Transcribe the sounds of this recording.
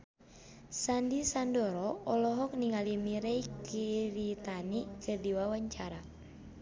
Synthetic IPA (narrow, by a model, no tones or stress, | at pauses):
sandisandɔɾɔɔlɔɦɔk̚niŋalimiɾɛikʰiɾit̪anikɨrdiwawaɲt͡ʃaɾa